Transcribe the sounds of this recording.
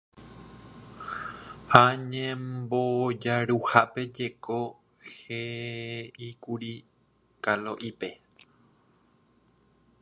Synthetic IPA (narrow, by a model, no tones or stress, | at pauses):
haɲẽmbod͡ʒaɾuhape̞d͡ʒe̞ko̞ | he | ikuɾi | kaloʔipe̞